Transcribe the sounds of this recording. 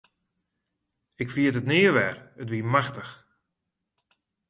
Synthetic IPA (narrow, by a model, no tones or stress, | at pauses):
ɪkfiətətnɪːəʋɛrətʋiəmaxtəx